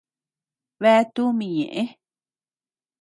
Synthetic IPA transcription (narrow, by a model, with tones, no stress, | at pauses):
βe˦t̪u˦mĩ˧ɲḛ̃˨ʔẽ˦